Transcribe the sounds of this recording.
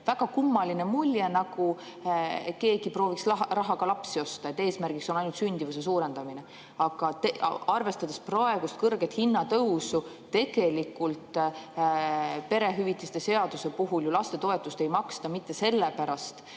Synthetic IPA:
væɡ̥ɑkumːɑline̞mulʲjenɑɡ̥u | ke̞ːɡ̥ipro̞ːviksrɑɦɑɡ̥ɑlɑpsio̞st̪ɑe̞t̪ːˑe̞ːsmærɡ̥ikso̞nɑjnult̪synʲd̪̥ivuse̞s̬uːɾe̞nd̪̥ɑmine̞ | ɑɡ̥ɑt̪ɑrve̞st̪ɑd̪̥esprɑe̞ɡ̥ust̪̚kɤrɡ̥e̞t̪hinːɑt̪ɤwsu | t̪e̞ɡ̥e̞likːult̪ˑ | pe̞ɾe̞ɦyvit̪ːˑist̪e̞se̞ɑd̪use̞puɦuljulɑst̪e̞t̪o̞e̞t̪ːˑust̪e̞jmɑkst̪ɑmit̪ːe̞se̞lːepæɾɑst̪

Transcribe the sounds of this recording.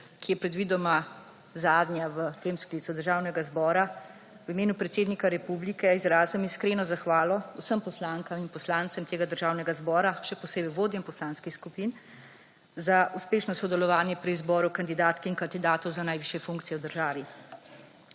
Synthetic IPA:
kijɛpɾɛd̪ʋiːd̪ɔma | zaːd̪njaʋət̪eːmskliːt̪sud̪əɾʒaːwnɛɡazbɔːɾa | wimeːnupɾɛt̪seːd̪nikaɾɛpublikɛizɾaːzəmiskɾeːnɔzaxʋaːlɔusəmpɔslaːŋkaminpɔslaːnt̪sɛmt̪eːɡad̪əɾʒaːwnɛɡazbɔːɾaʃɛpɔseːbɛʋoːd̪jɛmpɔslaːnskixskupin | zauspeːʃnɔsɔd̪ɛlɔʋaːnjɛpɾizbɔːɾukand̪id̪aːt̪kiinkand̪id̪aːt̪ɔwzanajʋiːʃjɛfuŋkt̪sijɛwd̪əɾʒaːʋi

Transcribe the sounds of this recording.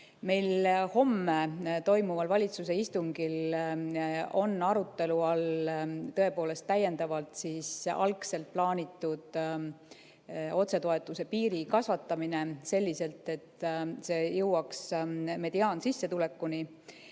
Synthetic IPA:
me̞jlho̞mːet̪o̞jmuvɑlvɑlʲit̪suse̞ist̪uŋɡ̥il | o̞nɑɾut̪ːˑe̞luɑlt̪ɤe̞po̞ːle̞st̪ːæjːe̞nd̪ɑvɑlt̪siːsɑ̰lkse̞lt̪̚plɑːnit̪ˑːud̪̥ | o̞t̪se̞t̪o̞e̞t̪ˑːuse̞piːɾikɑsvɑt̪ːˑɑmine̞se̞lʲːise̞lt̪ˑe̞t̪ːˑse̞ːjɤwɑksme̞d̪̥iɑːnsisːe̞t̪ule̞kːuni

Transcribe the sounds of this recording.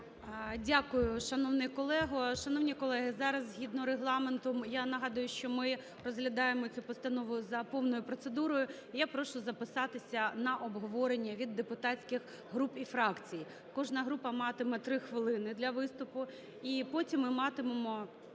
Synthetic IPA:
dʲakʊjʊʃɐnɔwnɪjkɔlˠɛɦɔʃɐnɔwnʲikɔlˠɛɦɪzɑɾɐzzʲɦʲid̪nɔɾeɦlˠɑment̪ɔmjanɐɦɑd̪ʊjʊʃt͡ʃɔmɪ | rɔzɦlʲɐd̪ɑjemɔt͡sʲupɔst̪ɐnɔʋʊzɐpɔwnɔjʊpɾɔt̪sed̪uɾɔjʊ | ijapɾɔʃʊzɐpɪsɑt̪ɪsʲɐnɐʔɔbɦɔʋɔɾenʲːɐʋʲid̪ːepʊt̪ɑt͡sʲkʲɪx | ɦɾupifɾɑkt͡sʲij | kɔʒnɐɦɾupɐmɑt̪ɪmɛt̪ɾɪxʋɪlˠɪnɪd̪lʲɐʋɪst̪ʊpʊ | ipɔtʲimːɪmɑt̪ɪmemɔ

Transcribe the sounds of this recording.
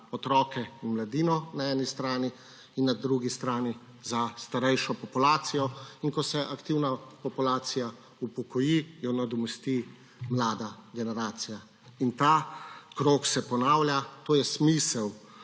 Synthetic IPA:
ɔt̪ɾɔːkɛinmlad̪iːnɔnaɛːnist̪ɾaːni | inːad̪ɾuɡist̪ɾaːni | zast̪aɾɛjʃɔpɔpulaːt̪sijɔinkɔsɛʔakt̪iwnapɔpulaːt̪sija | upɔkɔjijɔnad̪ɔmɛst̪i | mlaːd̪aɡɛnɛɾaːt̪sija | int̪aːkɾoːksɛpɔnaːwlʲjat̪oːjɛsmisɛw

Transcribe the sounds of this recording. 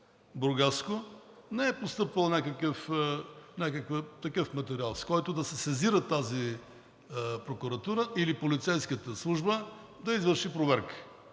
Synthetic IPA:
bɾɡaskonɛɛpost̪ɤpvəlˠnʲakəkəf | nʲakəkvət̪ɐkɤfmɐt̪ɛɾialˠskɔjt̪ʊd̪ɐsɛsɛziɾət̪ːazi | pɾokʊɾɐt̪uɾəʔilipolit̪sɛjskət̪əslˠuʒbə | d̪ɐizvəɾʃipɾovɛɾkə̥

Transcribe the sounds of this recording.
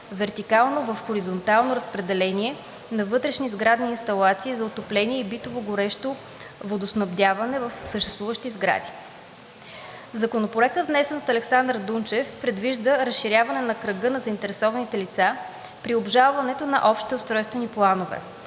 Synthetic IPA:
vɛɾt̪ikalˠnovəfxoɾizont̪alˠnoɾɐspɾɛd̪ɛlɛniɛ | nɐvɤt̪ɾɛʃnizɡɾad̪niːnst̪ɐlˠat̪siːzɐot̪oplɛniɛibit̪ovoɡoɾɛʃt̪o | vod̪osnɐbd̪ʲavɐnɛvɐfsəʃt̪ɛst̪vuvəʃt̪izɡɾa̰d̪i | zɐkonopoɛk̚t̪əd̪vnɛsɛnot̪ɐlɛksand̪ɾd̪unt͡ʃɛfpɾɛd̪viʒd̪əɾɐsʃiɾʲjavɐnɛnɐkɾəɡɤnɐzəint̪ɛɾɛsɔvɐnit̪ɛlit̪sa | pɾiobʒalˠvɐnɛt̪onɐ̰ʔɔpʃt̪it̪iost̪ɾɔjst̪vɛniplˠanovɛ̰

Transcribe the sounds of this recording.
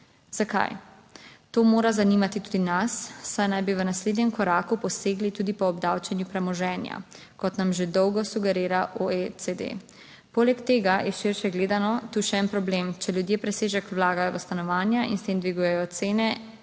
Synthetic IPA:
z̥aka̰j | t̪oːmoːɾazaniːmat̪it̪uːd̪inasːajnajbiʋənasleːd̪nʲjɛmkɔɾaːkupɔseːɡlit̪uːd̪ipɔːbd̪awt͡ʃɛnjupɾɛmɔʒɛːnja̰ | kɔt̪namʒed̪ɔwɡɔsuɡɛɾeːɾaʔoesed̪ḛ | polɛkt̪eːɡajɛʃiɾʃɛɡleːd̪anɔt̪uʃɛɛnpɾɔbleːmt͡ʃɛljud̪jepɾɛseːʒɛkwlaːɡajɔʋəst̪anɔʋaːnjaḭnst̪eːmd̪ʋiɡujɛjɔt̪seːnɛ

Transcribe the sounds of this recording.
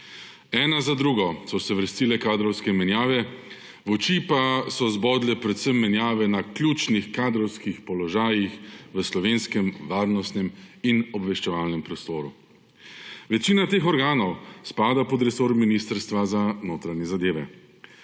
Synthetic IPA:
ɛːnazad̪ɾuːɡɔsɔsɛʋəɾst̪ilɛkaːd̪ɾɔwskɛmɛnjaːʋɛ | ʋɔt͡ʃipasɔzbɔːd̪lɛpɾɛt̪səmːɛnjaːʋɛnaklʲjuːt͡ʃnixkaːd̪ɾɔwskixpɔlɔʒaːjixʋəslɔʋeːnskɛmʋaːɾnɔst̪nɛminɔbʋɛʃt͡ʃɛʋaːlnɛmpɾɔst̪oːɾu | ʋɛt͡ʃiːnat̪eːxɔɾɡaːnɔwspaːd̪apɔd̪ɾɛsoːɾminist̪əɾst̪ʋazanoːt̪ɾanjɛzad̪eːʋɛ

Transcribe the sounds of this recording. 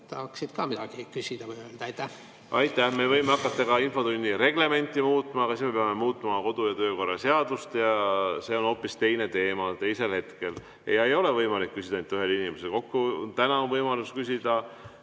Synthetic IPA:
t̪ɑːksid̪̥kɑːmid̪ɑɡ̥ikysʲid̪̥ɑvjøld̪̥ɑɑjt̪ːæh | ɑjt̪ːˑæhme̞vɤjmeɑkːˑɑt̪ːˑɑɡɑinfo̞t̪unʲːiɾe̞ɡ̥le̞me̞nʲt̪ːˑimuːt̪ːˑmɑːɡɑsisme̞peɑme̞muːt̪ːˑmɑko̞d̪̥ujɑt̪øːko̞rːˑɑse̞ɑd̪̥ust̪jɑse̞ːo̞no̞ːpːˑist̪e̞jne̞t̪e̞ːmɑt̪e̞jse̞lhe̞t̪ke̞l | ejɑejo̞le̞vɤjmɑlikːysʲid̪ɑnyɦe̞linʲimeselko̞kːunt̪ænɑonvɤjmɑluskysʲid̪̥ɑ

